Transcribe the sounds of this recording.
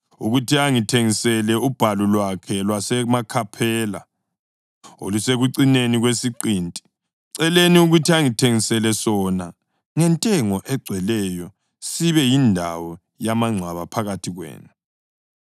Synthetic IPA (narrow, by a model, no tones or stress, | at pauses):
uɣutʰiaŋitʰeŋisɛlɛub̥ʱalulwakʰɛlwasɛmakʰapʰɛːla̰ | o̰luseɣuǀineniɣwesiǃiːntʼi̥ | ǀɛleniuɣutʰiaŋitʰeŋisɛlɛsɔna | ŋɛntʼɛŋɔʔɛɡ͡ǀʱwɛlɛjɔ | siβɛjindʱa̰wɔ | jamaŋ͡ǀʱwaβapʰaɣatʰiɣwḛːnu